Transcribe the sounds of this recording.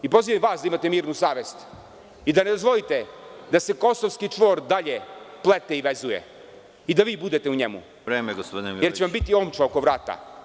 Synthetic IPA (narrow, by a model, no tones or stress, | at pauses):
ipo̞ziʋemʋaːsd̪aimat̪emiːɾnusaːʋest̪ | id̪aned̪o̞zʋo̞lit̪ed̪ase̞ko̞soʋskit͡ʂʋo̞ːɾd̪aʎeplˠet̪eiʋezujḛ | id̪aʋiːbud̪e̞t̪e̞uɲemṵ | ɾeːmeɡospod̪ʲnemjeɾt͡ɕeʋambit̪iomt͡ʃaoko̞ʋɾaːt̪a̰